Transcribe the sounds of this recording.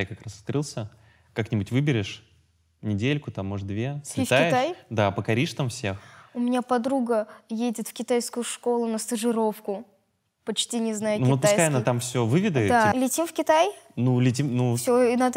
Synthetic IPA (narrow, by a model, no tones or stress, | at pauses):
jakɐkɾast̪̚kɾɨlˠsʲə | kaknʲɪbʊtʲvɨbʲɪɾʲɪʂ | nʲɪdʲelʲkʊt̪amːoʐəd̪vʲesʲft̪akʲɪjt̪ajd̪apəkɐɾʲiʂt̪amfsʲe̞xʊmʲɪnʲapɐd̪ɾuɡəjedʲɪt̪fkʲɪt̪ajskʊjʊʂko̞lˠʊnəst̪əʐɨɾo̞fkʊ | pɐt͡ɕtʲinʲɪznajʊnukɪop̪sj̪ajanːət̪amfsʲɵvɨvʲɪd̪əd̪alʲɪtʲimfkʲɪt̪ajnulʲɪt̬ʲimnufsʲoinad̪ə